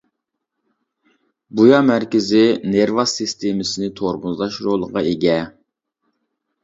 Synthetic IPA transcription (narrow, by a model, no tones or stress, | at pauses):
bujɑmæɾkʲɪzɪneɾvɑsɨst̪ʰemɪsɪnɪt̪ʰoɾbʊzlˠɑʃɾolˠəʁɑeɡʲɛ